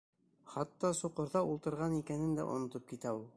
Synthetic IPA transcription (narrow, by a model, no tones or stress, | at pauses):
χɑt̪ːɑsuqɤ̆ɾðɑulˠt̪ɤ̆ɾʁɑnikænɘnd̪æ̰ʔŏ̰nŏt̪op̚kit̪æulˠ